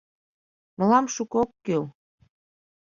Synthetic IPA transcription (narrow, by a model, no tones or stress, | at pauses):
məlɑmʃukokːøl